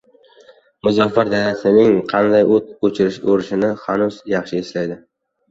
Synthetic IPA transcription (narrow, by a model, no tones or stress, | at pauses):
mʊzɒfaɾd̪alasɪnɪŋqʰɑnd̪ajot̪̚ot͡ʃʰɪɾɪʃoɾɪʃɪnɪhanʊz̥jɑχʃɪeslajd̪ɪ